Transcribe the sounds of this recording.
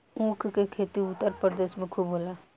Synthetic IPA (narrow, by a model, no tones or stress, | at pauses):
õːkʰkekʰeːt̪iʊt̪ːəɾpɾəd̪eːʃmẽkʰubɦoːla